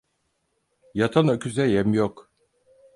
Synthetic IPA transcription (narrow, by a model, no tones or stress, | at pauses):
jat̪ʰanøcʰyzɛjɛmjok